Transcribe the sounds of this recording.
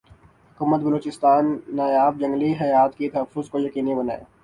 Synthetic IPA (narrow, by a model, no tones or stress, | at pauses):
hʊkuːmət̪bɐloːt͡ʃɪst̪aːnːaːjaːb̚d͡ʒɐ̃ŋɡliɦɐjaːt̪kit̪ɐɦəfːʊzkojɐkiːnibɐna̰ːeː